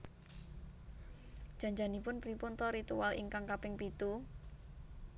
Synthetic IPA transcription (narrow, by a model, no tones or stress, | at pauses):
d̥ʒ̥a̤ɲd͡ʒanipʊnpɾipʊnt̪ɔɾit̪uwalḭŋkaŋkapɪŋpit̪u